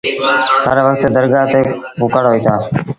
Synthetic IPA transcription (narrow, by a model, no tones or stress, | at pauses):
həɾʋəkt̪d̪əɾɡaːt̪eːbʊkəɽɦoiːt̪aː